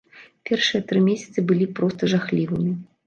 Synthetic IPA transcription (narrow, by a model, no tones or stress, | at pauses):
pʲɛrʂɨjɐt̪ɾɨmʲesʲɐt̪sɨbɨlʲipɾɔst̪ɐʐaxlʲivɨmʲi